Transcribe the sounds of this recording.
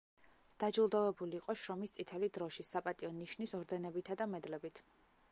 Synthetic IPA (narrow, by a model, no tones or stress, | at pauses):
d̪̥ad͡ʒulˠd̪avɛbuliːqʼɔʃɾɔmist̪sʼit̪ʰɛlid̪ɾɔʃisapʼat̪ʼiɔniʃnisɔɾd̪ɛnɛbit̪ʰad̪amɛd̪lɛbit̪ʰ